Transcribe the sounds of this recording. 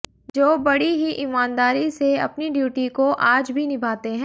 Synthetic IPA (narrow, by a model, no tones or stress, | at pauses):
d͡ʒoːbɐɽiɦiʔimaːnd̪aːɾiseɐ̰pniɖjuːʈikoʔaːd͡ʒbʱinɪbʱaːt̪eɦɛ̃